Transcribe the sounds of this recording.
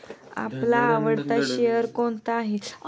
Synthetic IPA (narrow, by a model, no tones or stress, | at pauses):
a̰plaːʋəɽt̪aɕeəɾkoɳt̪aːɦit͡s